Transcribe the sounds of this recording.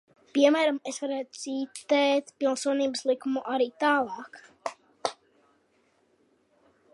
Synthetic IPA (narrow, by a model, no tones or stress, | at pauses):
piɛmæːɾamesvaɾæːt̪siːt̪ɛːt̪pilˠnsuɔniːbəslˠikːumuʔaɾiːt̪aːlˠɑːk